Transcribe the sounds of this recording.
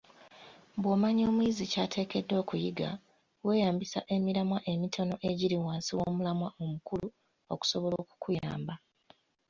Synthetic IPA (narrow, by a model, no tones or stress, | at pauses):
bwoːmaɲo̞ːmwiːzicaːtʰe̞ːke̞dːo̞ːkujiɡa̰ | we̞ːjaːmbisaʔe̞miɾamwaʔe̞mitʰo̞no̞ʔe̞ɟiɾiwaːnsiwo̞ːmulamwaʔomukulu | oku̥so̞βo̞lo̞ːku̥kuja̰ːmba